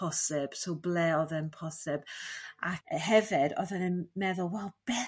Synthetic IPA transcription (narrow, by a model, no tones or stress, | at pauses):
ɔsɪb̥sowblɛɔðɛnpʰɔsɪb̥aɦɛvɪdɔ̰ðɛnɪnmɛðʊlˠwɛlˠb̥ɛ